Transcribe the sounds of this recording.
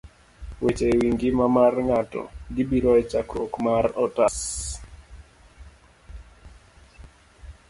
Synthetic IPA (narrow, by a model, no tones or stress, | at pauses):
wet͡ʃewiŋɡɪmamarŋatɔ̰ɡibiɾɔɛt͡ʃakɾokmarɔtas